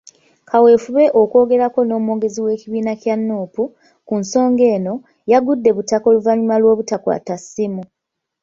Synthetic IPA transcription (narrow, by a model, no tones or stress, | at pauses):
kʰawe̞ːfuβe̞ʔo̞ko̞ːɡe̞ɾako̞no̞ːmuo̞ːɡe̞ziwe̞ːciβiːnacjanːuːpu | kunso̞ːŋɡe̞ːno̞ | jaɡudːe̞βutako̞luvaɲumalwo̞ːβutakwa̰tasimu